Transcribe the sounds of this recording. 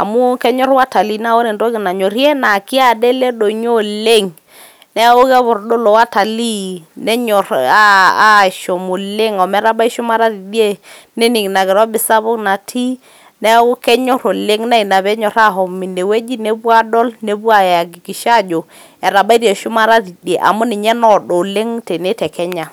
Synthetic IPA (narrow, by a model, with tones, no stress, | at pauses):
a̰˨mu˦kɛ˦ɲɔ˦ɾwa˦ta˨li˨na˦o˦ne˨ndo˦kɪ˨na˨ɲo˨ɾjɛ˦na˨ki˦a˨de˦le˦do˨ɲo˦le˦˨ŋ | nɛ˦o˦ɣɛ˦βʊ˨ɾdo˦lɔ˨wa˦ta˨li˦nɛ˦ɲɔ˨ɾaː˦˨ʃɔ˨mo˨le˦ŋɔ˨mɛ˨˦ɾa˦ba˦i˦ʃʊ˦ma˦ɾa˦ɾi˨dje˦ | ne˦ni˨ŋna˨ɡɪ˨ɾɔ˦bɪ˨sa˦βʊ˦kna˨tʰi˦ | nɛ˦ɡʊ˦kɛ˦ɲɔ˦ɾo˨le˦ŋna˦i˨na˨βɛ˦ɲɔ˨ɾa˦˨ɦɔ˨mi˨ne˨we˦d͡ʒi˦ne˦bwa˦dɔ˦lne˦bwa˦˨a˨ɡi˨ki˨ʃa˦d͡ʒo˨ | ɛ˨ɾa˨ba˦i˦ɾɛ˨ʃʊ˦ma˦ɾa˦ɾi˨de˨ʔa̰˨mʊ˦nɪ˨ɲɛ˦nɔ˦do˨le˦ŋtɛ˨ne˦tɛ˨kɛ˦ɲa˨